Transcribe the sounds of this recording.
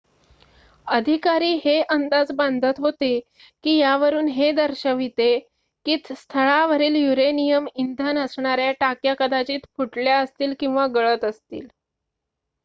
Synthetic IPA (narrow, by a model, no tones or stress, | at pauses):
əd̪ʱikaɾiːɦeʔənd̪ad͡zband̪ʱət̪ɦot̪e | kiːjaʋəɾuːnɦed̪əɾɕəʋit̪e | kiːt̪st̪ʰəɭaʋəɾiːljuɾenijəmind̪ʱənəsɳaɾjaʈakjakəd̪at͡ɕiːt̪fuʈljaəst̪iːlkĩw̃ʋaɡəɭət̪əst̪ḭːl